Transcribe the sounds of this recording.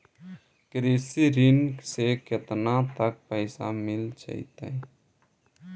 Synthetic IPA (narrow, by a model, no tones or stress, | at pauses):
kɾeːsiɾɪnkseket̪nãt̪ək̚pəɪsa̰mɪlt͡ʃa̰ɦḭt̪a̰ɦɛ